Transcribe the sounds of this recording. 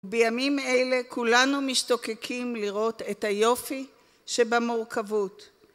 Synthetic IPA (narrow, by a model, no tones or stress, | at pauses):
bejamimejle̞kʰulanumiʃto̞kekʰimliʁo̞tethajo̞fi | ʃebamuʁkʰavut